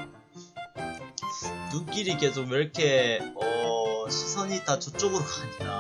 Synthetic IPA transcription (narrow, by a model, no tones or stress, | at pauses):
nunk͈iɾikes̬ʰomʌɾkʰeʌɕʰi̥sʰaɲitat͡ɕot͡ɕ͈oɡɯɾokanida